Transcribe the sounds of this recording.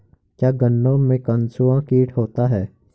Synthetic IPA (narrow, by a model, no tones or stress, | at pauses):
kjaːɡənːõmẽkənsuãkiːʈʰɦoːt̪aɦɛː